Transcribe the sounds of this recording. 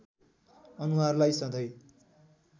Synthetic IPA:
ʌnuɦarlajsʌd̪ʱʌj

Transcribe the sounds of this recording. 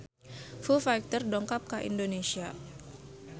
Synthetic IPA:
fufajk̚t̪ərdɔŋkap̚kaʔḭndonesia

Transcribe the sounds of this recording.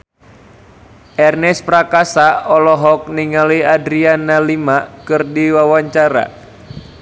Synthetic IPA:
ʔɛrnɛspɾakasaɔlɔɦɔk̚niŋaliadɾianalimakɨrdiwawaɲt͡ʃaɾa̰

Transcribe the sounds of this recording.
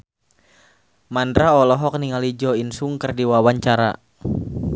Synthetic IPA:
mandɾaɔlɔɦɔk̚niŋalid͡ʒɔinsuŋkɨrdiwawaɲt͡ʃaɾa̰

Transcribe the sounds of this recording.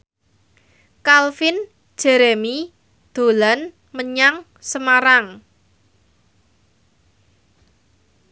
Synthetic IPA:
kalfɪn̥ | ʒ̥ɛ̤ɾɛmi | d̪̥o̤lan | məɲaŋ | səmaɾaŋ

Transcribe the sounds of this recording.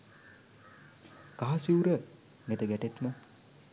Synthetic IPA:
kaɦasiuɾə | net̪əɡæʈet̪mə

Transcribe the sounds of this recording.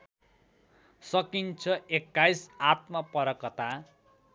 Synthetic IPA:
sʌkint͡sʰʌekːajsat̪̚mapʌɾʌkʌt̪a

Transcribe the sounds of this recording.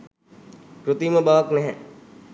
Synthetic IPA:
kɾut̪iməbaʋaknɛɦɛ

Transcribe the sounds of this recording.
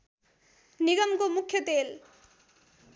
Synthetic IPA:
niɡʌmkomukʰːjʌt̪el

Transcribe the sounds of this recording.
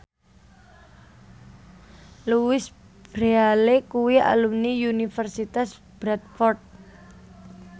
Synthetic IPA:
luwɪs | b̥ɾealekuwiʔa̰lumniunifərsit̪as | b̥ɾat̪̚fɔrt̪̚

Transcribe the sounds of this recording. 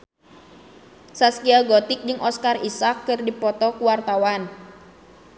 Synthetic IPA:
saskiaɡɔt̪ɪk̚d͡ʒɨŋʔɔskarisakːɨrdipɔt̪ɔkuwart̪awan

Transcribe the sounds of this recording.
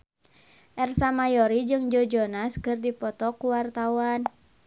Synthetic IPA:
ʔɛrsamajɔɾid͡ʒɨŋd͡ʒɔd͡ʒɔnaskɨrdipɔt̪ɔkuwart̪awan

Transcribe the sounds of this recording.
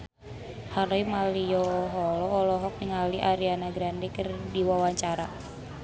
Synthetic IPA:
haleimalijɔɦɔlɔːlɔɦɔk̚niŋaliʔaɾianaɡɾandɛkərdiwawaɲt͡ʃaɾa

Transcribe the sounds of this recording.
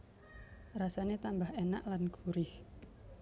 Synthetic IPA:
rasanet̪ambahenaʔlanɡ̥uɾɪh

